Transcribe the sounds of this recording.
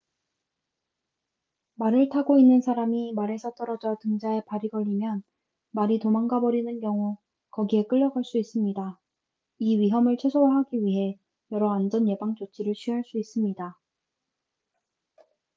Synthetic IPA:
maɾɯɭtʰaɡoinːɯnsʰaɾamimaɾe̞sʰʌt͈ʌɾʌd͡ʑʌtɯŋd͡ʑae̞paɾiɡʌʎːimjʌn | maɾitomaŋɡabʌɾinɯnkjʌŋu | kʌɡie̞k͈ɯʎːʌɡaɭs͈uis͈ɯmɲida | iɥiɦʌmɯɭt͡ɕʰwesʰoaɦaɡiɥiɦe̞ | jʌɾʌand͡ʑʌnje̞baŋt͡ɕot͡ɕʰiɾɯɭt͡ɕʰɥiɦaɭs͈uis͈ɯmɲida

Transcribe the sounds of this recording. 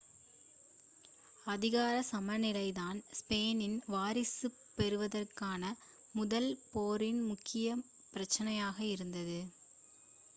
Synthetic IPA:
ɐðɪɣaːɾɐsɐmɐnɪlɐɪðaːnspeːnɪnʋaːɾɪsɯ | pːɛɾɯʋɐðɐrkaːnɐ | mʊðɐlpoːɾɪnmʊkːɪjɐ | pɪɾɐt͡ʃːɐnɐjaːɣɐɪɾɯnd̪ɐðɯ

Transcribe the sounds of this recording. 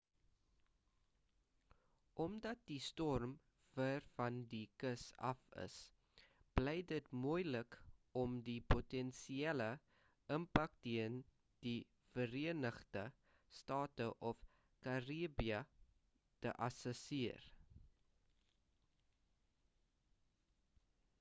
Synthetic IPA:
ʔɔmdɐt̚distɔrm | v̥ərfɐndikəsɐ̰fə̰s | b̥lɛjdətmujləkɔmdipotɛnsiɛlə | əmpɐk̚tiən | d̥i | fəɾiənəχdə | stɑːtəʔɔf | kɐriəbiə | tə̰ʔɐsɛsiər

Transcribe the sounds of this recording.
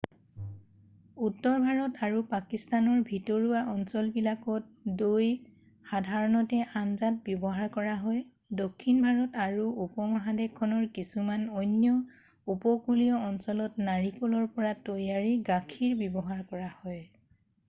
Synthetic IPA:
utːɔɹbʱaɹɔtaɹupakistanɔɹbʱitɔɹuaʔɔnsɔlbilakɔt̚doj | xadʱaɹɔnɔtɛʔanzat̚bjɔbɔɦaɹkɔɹaɦɔj | dokʰːinbʱaɹɔtaɹuupɔmɔɦadekʰːɔnɔɹkisumanɔjnjɔ | upɔkulijɔɔnsɔlɔtnaɹikɔlɔɹpɔɹatojaɹiɡakʰiɹbjɔbɔɦaɹkɔɹahɔj

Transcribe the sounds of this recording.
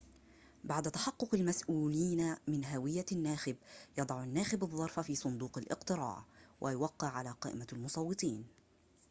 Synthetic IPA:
baʕd̪at̪aħɑqːʊqalmasʔuːliːnamɪnɦawɪjːanːaːxɪbjɑd̪ˤɑʕanːaːxɪbɑðˤːɑɾˤfafiːsˤʊnd̪uːqalʔɪ̰qt̪ɨɾɑ̰ːʕwʔajʊwaqːɪʕalaqɑːʔɪ̰malmʊsˤɑwːɨt̪ˤiːn

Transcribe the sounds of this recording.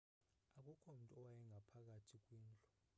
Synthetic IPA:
ak̬ʼukʰʼom̩tʼɔwajɛŋʱapʰak̬atʰik̬ʼwiːnt͡ɬʼɔ̥

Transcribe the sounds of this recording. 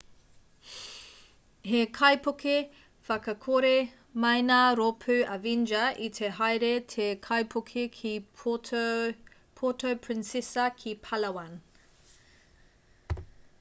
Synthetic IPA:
ɦekʰɐjpoke | fɐkɐkʰoɾe | mɐjnaɾopʰʉɐvind͡ʒɐʔitʰeɦɐjɾetʰekʰɐjpʰokʰekʰi | pʰotʰowpʰɹɪnsesɐkʰipʰɐlɐwɐn

